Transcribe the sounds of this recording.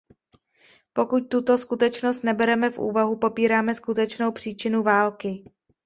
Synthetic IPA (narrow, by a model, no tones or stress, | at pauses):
po̞kuc̚t̪ut̪o̞skut̪ɛt͡ʃno̞st̪nɛbɛɾɛmɛfʔṵːvaɦupo̞piːɾaːmɛskut̪ɛt͡ʃno̞wpr̝̥iːt͡ʃɪnuvaːlkɪ